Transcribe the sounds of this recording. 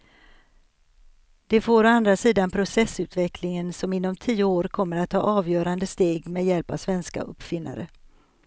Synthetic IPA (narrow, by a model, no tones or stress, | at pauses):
d̪̥ɛfoːɾɔand̪ɾasiːd̪anpʰɾʊsɛsʉ̟ːt̪vɛklɪŋənsɔmɪnːɔmt̪ʰiːʊoːɾkʰɔmːəɾat̪ʰːɑ̰ːʔɑːvjœːɾand̪əst̪eːɡmeːd̪jɛlpa̰vsvɛnska̰ʔɵ̰pːfɪnːa̰ɾə